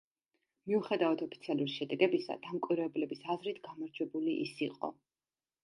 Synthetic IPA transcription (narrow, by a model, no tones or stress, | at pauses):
miuχɛd̪avad̪ʰɔpʰit̪sʰialˠuɾiʃɛd̪ɛɡɛbisa̰d̪̥amkʼwiɾvɛblɛbisazɾit̪ʰɡamaɾd͡ʒwɛbuliʔḭsiqʼɔ̰